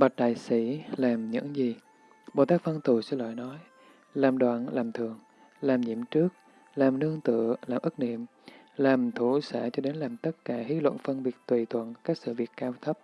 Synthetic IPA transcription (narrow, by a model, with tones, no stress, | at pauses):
ɓa˨˩t̚ɗa̰ː˧˨jsi˧˩laː˨˩mɲɨ̰˧˥ŋzi˨˩ | ɓo̰˨˩t̪aː˦˥k̚və˧nt̪u˨˩sɛ̰˧˥˦la̰ː˧˨jnɔ˨˦j | laː˨˩mɗwa̰ː˧˨nlaː˨˩mt̪ʰɨ˨˩əŋ | laː˨˩mɲḭ˧˩əmt͡ɕɨ˦˥ək̚ | laː˨˩mnɨ˧əŋt̪ɨ̰˧˨əlaː˨˩mʔɨ˦˥k̚nḭ˧˨əm | laː˨˩mt̪ʰu˧˩saː˧˩t͡ɕɔ˧ɗe˨˦nlaː˨˩mt̪ə˦˥t̚kaː˧˩hi˨˦lwə̰˧˨nfə˧nvi˨˩ək̚t̪wi˨˩t̪ʰwə̰˧˨nkaː˦˥k̚sɨ̰˧˨vi˨˩ək̚kːaː˧wt̪ʰə˦˥p̚